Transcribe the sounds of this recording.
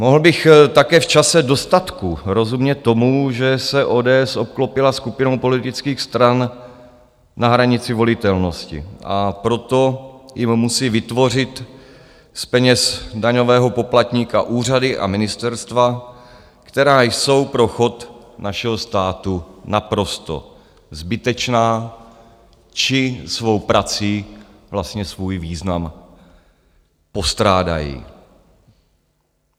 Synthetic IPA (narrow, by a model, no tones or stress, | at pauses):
moɦl̩bɪxt̪akɛːft͡ʃasɛdo̞st̪at̪kuɾo̞zumɲɛtt̪ːo̞muʒɛsɛʔo̞ːdɛːɛso̞p̚klopɪlaskupɪno̞wpo̞lɪt̪ɪt͡skiːxst̪ɾan | naɦɾaɲɪt͡sɪvo̞lɪt̪ɛlno̞scɪ̰ʔa̰pɾo̞t̪o̞jɪmːusiːvɪt̪vo̞r̝ɪt̪ | spɛɲɛsdaɲo̞vɛːɦo̞po̞plat̪ɲiːka̰ʔuːr̝adɪʔa̰mɪnɪst̪ɛɾst̪va | kt̪ɛɾaːjso̞wpɾo̞xo̞t̪naʃɛɦo̞st̪aːt̪unapɾo̞st̪o̞̰ | zbɪt̪ɛt͡ʃnaː | t͡ʃɪsvo̞wpɾat͡siː | vlast̪ɲɛsvuːjviːznam | po̞st̪ɾaːda̰jḭː